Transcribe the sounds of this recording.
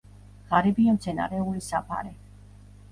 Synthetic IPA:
ʁaɾɛbiamt̪sʰɛna̰ɾɛulisapʰa̰ɾɛ

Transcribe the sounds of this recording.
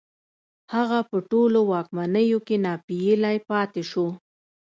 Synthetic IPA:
haɣapəʈolowɑkmanəjokenɑpijəlajpɑt̪eʃo

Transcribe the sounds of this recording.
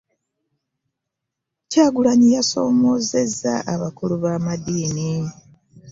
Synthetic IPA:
caːɡulaɲijaso̞̰ːmo̞ːze̞za̰ʔaβakuluβaːmadiːni

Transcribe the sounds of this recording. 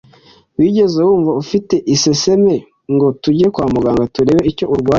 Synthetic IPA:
wiːɟe̞zewuːɱvaufite̞ʔise̞se̞me̞ | ŋɡo̞tuɟiekwaːmuɡaːŋɡatuɾe̞ːweiɾco̞uɾɡwaː

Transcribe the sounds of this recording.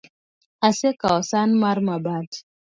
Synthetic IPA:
asekaɔsanmaɾmabat

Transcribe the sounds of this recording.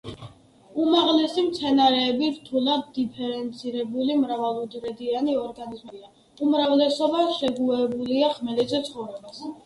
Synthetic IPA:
umaʁlɛsimt̪sʰɛnaɾɛːbiɾt̪ʰulˠad̪ːipʰɛɾɛnt̪sʰiɾɛbulimɾavalˠɔd̪ɾɛd̪ianiɔɾɡanizmia | umɾavlɛsɔbaʃɛɡuɛbuliaχmɛlɛt̪zɛt̪sʰχɔvɾɛbas

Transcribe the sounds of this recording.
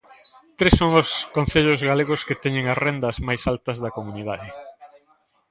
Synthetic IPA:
t̪ɾesːoŋʊskõn̟θeʎʊzɣaleɣʊskɪt̪ɛɲẽŋɐsrend̪ɐzmajsalt̪ɐzðɐkomuniðaðɪ

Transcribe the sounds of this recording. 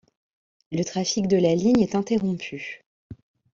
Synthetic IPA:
lət̪χafikd̪əlaliɲɛt̪ɛ̃t̪eʁɔ̃pʰy

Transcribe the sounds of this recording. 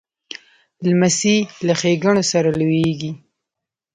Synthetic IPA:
lmasilaxeɡaɳosaɾalojeɡi

